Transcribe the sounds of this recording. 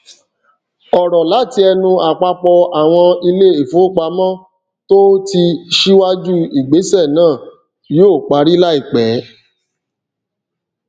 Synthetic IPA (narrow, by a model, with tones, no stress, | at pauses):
ɔ˨ɾɔ˨la˨˦ti˦ɛ˧nũ˧a˨k͡pa˧k͡pɔ˧a˨w̃ɔ̃˧i˧le˦i˨fo˨˦k͡pa˧mɔ̃˦ | to˦ti˧ʃi˦wa˦d͡ʒu˦i˨ɡ͡be˨˦sɛ˦˨nãː˦˨ | joː˦˨k͡pa˨˧˦ɾi˦la˦i˦˨k͡pɛ˨˦